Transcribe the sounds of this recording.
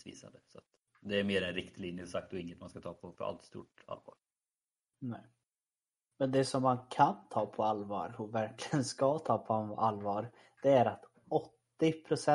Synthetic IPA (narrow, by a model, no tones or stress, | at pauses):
svḭːsa̰nd̪əsɔat̪ | d̪ɛæɾmeːɾɛnɾɪkt̪liːnjəsak̚t̪ɔɪŋːət̪manskat̪ʰɑːpʰɔfɔɾa̰lt̪st̪ṵːʈa̰lvɑ̰ːɾ | nɛː | mɛnd̪ɛsɔmːankʰant̪ʰɑːpʰɔalvɑ̰ːɾhʊvæɾklɪɪɡənskɑːt̪ʰɑːpʰɔaalːvɑːɾ | d̪̥ɛæɾat̪ | ɔt̪ːɪpʰɾʊsɛ